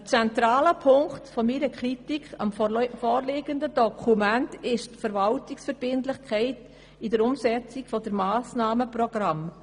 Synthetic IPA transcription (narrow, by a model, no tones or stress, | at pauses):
t͡sɛntɾaːləpʰʊŋktfɔmiɾəkχritikʰɑ̰mfɔːɾleːɡəndədɔkʰumæntɪʃtfəɾvaltiksfəɾb̥ɪntlɪxkʰɛɪt | idəɾʊmsɛt͡siɡfɔdəɾmaːsnaːməprɔɡ̥ɾam